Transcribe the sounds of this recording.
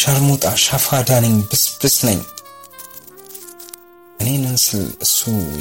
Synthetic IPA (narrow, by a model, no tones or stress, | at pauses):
ʃaɾmut̪ʼaʃafad̪anɨɲbɨsb̥ɨsnə̰ɲː | ɨnenɨnsɨlɨsːu